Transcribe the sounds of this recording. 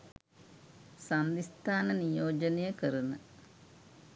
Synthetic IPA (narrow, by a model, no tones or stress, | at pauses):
sɐnd̪ist̪aːnɐnijoːd͡ʒɐnejɐkɐɾunɐ